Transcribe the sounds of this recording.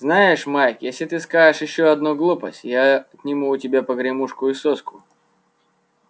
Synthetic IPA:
znajɪʂmajkjesʲlʲɪt̪ɨskaɪʂjɪɕːoɐd̪nuɡlˠupə̰sʲtʲjat̪ʲnʲiɪmuːtʲɪbʲapəɡɾʲɪmuʂkʊɪsoskʊ

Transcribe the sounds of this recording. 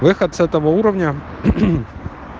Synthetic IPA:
ʋɪxɐd̪̚sɛt̪ɔʋɔuɾɔwnʲɐ

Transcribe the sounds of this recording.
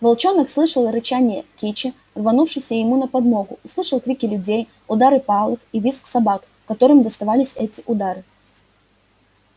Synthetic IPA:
vɐlˠt͡ɕo̞nəkslˠɨʂəlˠɾɨt͡ɕanʲɪjəkʲit͡ɕɪ | rvɐnufʂɨsʲəjɪmunəpɐd̪mo̞ɡʊʊslˠɨʂəlˠkɾʲikʲɪlʲʊdʲej | ʊd̪aɾɨpɑlˠɨkivʲisksɐbak | kːɐt̪o̞ɾɨmd̪əst̪ɐvalʲɪsʲɛtʲɪʔʊd̪aɾɨ

